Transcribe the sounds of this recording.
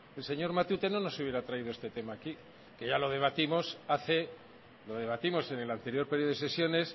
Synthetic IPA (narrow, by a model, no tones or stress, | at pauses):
else̞ɲo̞ɾmat̪ut̪e̞nono̞suβje̞ɾat̪ɾaiðoe̞st̪e̞t̪e̞maːki | ke̞ʝalo̞ð̞e̞β̞at̪imo̞saθe̞ | lo̞ðe̞βat̪imo̞se̞ne̞lant̪e̞ɾjo̞ɾpe̞ɾjoese̞sjo̞ne̞s